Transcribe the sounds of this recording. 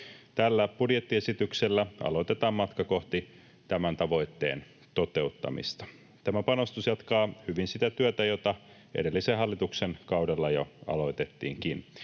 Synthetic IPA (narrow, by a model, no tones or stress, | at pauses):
t̪ælːæb̥udjet̪ːie̞sit̪ykselːæɑ̰lo̞jt̪e̞t̪ɑːmmɑt̪kɑko̞ht̪i | t̪æmænt̪ɑʋo̞jt̪ːe̞̰ːn | t̪o̞t̪e̞ut̪ːɑ̰mḭst̪ɑ̥ | t̪æmæpɑno̞st̪usjɑt̪kɑːhyʋinsit̪æt̪yøt̪æjot̪ɑ | e̞̰de̞lːiseɦɑlːit̪uksenkɑwdelːɑjo̰ɑ̰lo̞it̪et̪ːḭːŋkin